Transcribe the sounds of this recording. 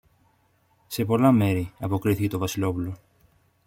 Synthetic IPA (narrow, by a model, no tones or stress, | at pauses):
se̞po̞lɐme̞ɾiɐpo̞kɾiθice̞t̪o̞vɐsilo̞pulo̞